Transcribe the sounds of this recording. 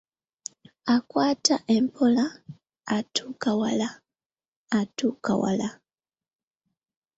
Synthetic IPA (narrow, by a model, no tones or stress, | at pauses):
akwaːtʰaʔempʰolaː | tʰukawalaː | tuka̰wa̰la